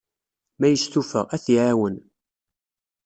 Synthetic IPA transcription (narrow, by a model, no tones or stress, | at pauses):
mæjəst̪ufə̰ʁæθjʕawən